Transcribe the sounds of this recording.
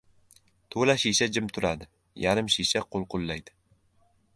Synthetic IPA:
t̪ʰolaʃeʃad͡ʒɪmt̪ʰʊɾad̪ɪ | jaɾɪmʃeʃaqʰolˠqʊlˠːajd̪̥ɪ

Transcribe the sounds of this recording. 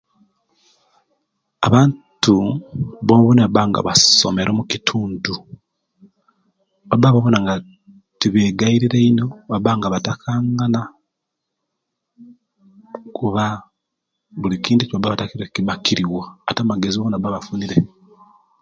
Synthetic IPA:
aβaːntuβoβuneβabaŋɡa̰βaso̞̰meɾʔo̞mukitʰuːndu | βabaβaβonaŋɡa | tiβeːɡaiɾiɾe̞ino̞βabaŋɡaβatakʰaːŋɡana | kuβa | βulikiːndicabaβatakiɾekiβakiɾiwaːtamaɡe̞zioβonabaβafuniɾe̞

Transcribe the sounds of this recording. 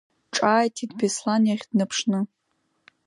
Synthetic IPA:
ʈ͡ʂʼaːjtʰidbeslanjaχʲd̥nɨpʰʂnɨ

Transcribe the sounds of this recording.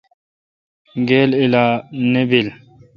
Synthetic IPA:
ɡeːlilaːnibil

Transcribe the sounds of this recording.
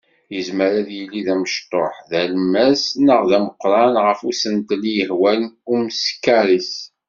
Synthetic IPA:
jəzməɾæðjəlːiðæməʃt̪ˤːoħðælmæsnəʁðæməqːɾˤɑnʁəfusənt̪lijəhwænumskːæɾˤis

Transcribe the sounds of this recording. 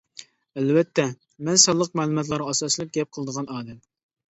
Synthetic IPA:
ælvɛt̪ʰːɛ | mɛnsɑlˠːəq̚mæːlˠɨmɑt̪̬lˠɑɾɑːsɑslˠɨp̚ɡʲɛp̚qʰəlˠəd̪əʁɑnɑːd̪ɛm

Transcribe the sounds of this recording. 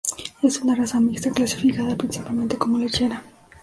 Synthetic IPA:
e̞sunarasamikst̪aklasi̥fikaðapɾinsipalment̪e̞ko̞molet͡ʃena

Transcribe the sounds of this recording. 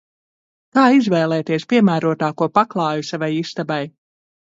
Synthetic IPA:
k̪aːizvɛːlˠɛːt̪iɛspiɛmæːɾuɔt̪aːkuɔpaklˠɑːjusavajist̪abaj

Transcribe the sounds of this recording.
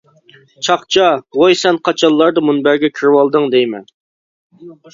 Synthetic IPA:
t͡ʃʰɑqt͡ʃʰɑwojsɛnqʰɑt͡ʃʰɑlˠːɑɾd̪ɑmunbæɾɡʲɛkʲʰyɾwɑlˠd̪ɨŋd̪ejmɛ̰n

